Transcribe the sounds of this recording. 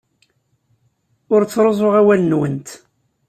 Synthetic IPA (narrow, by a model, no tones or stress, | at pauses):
ʊɾt͡sːɾˤozˤoʁæwælənwənt̪